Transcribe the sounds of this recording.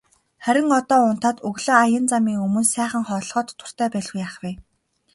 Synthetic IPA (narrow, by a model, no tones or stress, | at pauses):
χæɾʲɪ̆ŋɔt̪ɔːʊn̥t̪aːt̪ɵɣɮŏːajə̆nt͡samiːŋɵmɵ̆nsæːχə̆ŋχɔːɮʁɔːt̪ʰːʊ̥̆r̥t̪ʰæːpæːɮɣujaːχwiː